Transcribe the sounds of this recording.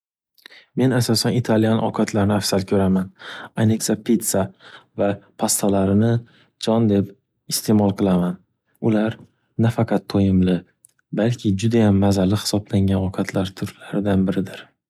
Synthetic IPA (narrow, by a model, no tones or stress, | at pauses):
me̞nasɒsanɪt̪ʰalijanɒ̰qʰat̪ʰlaɾɪnɪafsalkʲʰɵɾamananekʲsapʰit̪savapʰast̪ʰalaɾɪnɪ | d͡ʒɒnd̪e̞p | ɪst̪ʰe̞mɒlˠqʰɨlˠaman | ʊlaɾ | nafaqʰɑt̪ʰːojɪmlɪ | balkʲʰɪd͡ʒʊd̪ajamːazalɪhɪ̥sɒblaŋɡʲanɒkʰat̪ʰlaɾt̪ʰʊɾlaɾɪd̪anbɪɾɪd̪ɪɾ